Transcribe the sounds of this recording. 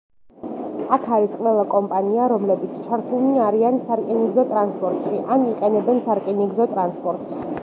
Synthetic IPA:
akʰaɾisqʼwɛlˠakʼɔmpʼaniaɾɔmlɛbit̪sʰt͡ʃʰaɾt̪ʰumiaɾiansaɾkʼiniɡzɔt̪ʼɾanspʼɔɾt̪ʼʃiʔaniqʼɛnɛbɛnsaɾkʼiniɡzɔt̪ʼɾanspʼɔɾt̪ʼs

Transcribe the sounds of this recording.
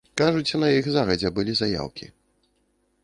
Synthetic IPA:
kaʐut͡sʲnɐjaixzaɣɐd͡zʲɛbɨlʲizaja̰wkʲḭ

